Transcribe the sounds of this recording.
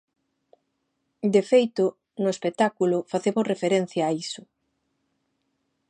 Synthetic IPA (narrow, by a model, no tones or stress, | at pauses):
d̪efejt̪ʊ | nʊespek̚t̪akulʊfaθemʊsrefeɾen̟θjaːisʊ